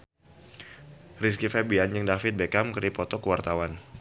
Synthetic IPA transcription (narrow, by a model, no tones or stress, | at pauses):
ris̬kifɛbiand͡ʒɨŋdafɪt̪̚bekamkɨɾipɔt̪ɔkəwart̪awan